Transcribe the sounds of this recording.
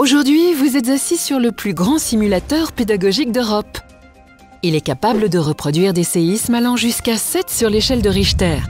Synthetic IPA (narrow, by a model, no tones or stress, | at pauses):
oʒuʁd̪ɥivuzɛt̪zasisyʁləplyɡʁɑ̃simylat̪œʁped̪aɡɔʒik̚d̪øʁɔp | ilɛkapabləd̪əʁəpχɔd̪ɥiʁd̪eseismalɑ̃ʒyskasɛt̪syʁleʃɛld̪əʁiʃt̪ɛːʁ